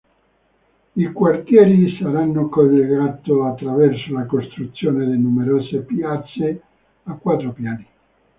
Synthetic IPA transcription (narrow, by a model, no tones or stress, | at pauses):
ikwart̪jɛːɾisaɾanːokolːeɡaːt̪oat̪ːɾavɛrsolakost̪ɾut̪sːjoːned̪enumeɾoːsepjat̪sːe | akːwat̪ːɾopjaːni